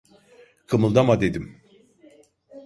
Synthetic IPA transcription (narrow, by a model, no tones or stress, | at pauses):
kʰɯmɯlˠd̪amad̪e̞d̪im